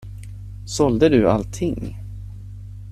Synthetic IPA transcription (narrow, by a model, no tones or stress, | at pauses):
sɔld̪əd̪ɵa̰lt̪ʰːɪŋː